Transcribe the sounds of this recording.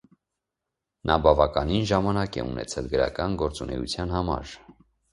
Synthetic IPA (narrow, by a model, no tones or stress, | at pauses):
nʔɑbɑvɑkɑninʒɑmɑnɑkɛ̰ṵnɛ̰t͡sʰɛlɡəɾɑ̰kɑnɡɔɾt͡sunɛ̰ṵt͡sʰjɑnhɑmɑ̰ɾ